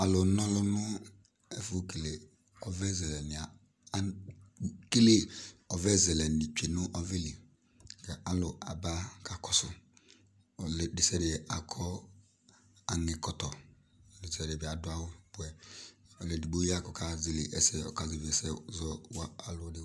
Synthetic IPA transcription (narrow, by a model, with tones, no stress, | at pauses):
a˨lʊ˨nɔ˦lʊ˦nʊ˦ | ɛ˦fʊ˦ke˨le˨ | ɔ˨vɛ˦zɛ˨lɛ˨nɪ˨a˨˦ | ke˦le˦ɔ˨vɛ˦zɛ˨lɛ˨nɪ˨t͡ʃe˨nʊ˦ʔɔ˦ve˦li˨ | kɛ˨ʔa˨lʊ˨a̰˨ba˦ka˨kʰɔ˦sʊ˨ | ldɪ˨sɛ˦ɾɪ˨ɛ˨a˨kʰɔ˦ | a˨ŋɪ˨kɔ˨tɔ˨ | di˨sɛ˨ɾɪ˨bɪ˨a˨dʊ˦a˦wʊ˦bʊ˨˦ɛ˨ɔ˨lɛ˨di˨ɡ͡bo˦i˦a˦kɔ˨kʰa˨zi˨le˨ʔɛ˨sɛ˦ɔ̰˨ka˨zi˨vi˨ɛ˨sɛ˦zɔ˦wa˦a˨lʊ˦dɪ˦